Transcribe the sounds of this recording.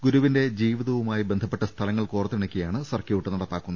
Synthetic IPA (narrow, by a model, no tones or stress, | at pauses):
ɡuɾuʋinde̞d͡ʑiːʋiðɐʋumaːjibend̪ʱɐpːeʈːɐst̪ʰɐlɐŋːɐɭkuːrɐt̪ːiɳɐkʲːijaːɳɨsɐrkjeuʈːɨnɐɽɐpːaːkːunːɐ